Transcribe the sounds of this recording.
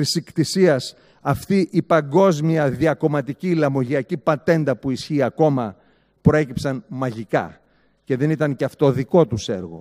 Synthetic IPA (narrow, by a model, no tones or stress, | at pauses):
isikt̪isiɐs | ɐft̪iʔipɐŋɡo̞zmiɐðiɐko̞mɐt̪iciːlɐmo̞ʝiɐcipɐt̪e̞nd̪ɐpuisçiːɐko̞mɐ | pɾo̞e̞cipsɐnmɐʝikɐ̰ | ce̞ðe̞nit̪ɐnceɐft̪o̞ðiko̞t̪use̞̰ɾɣo̞̰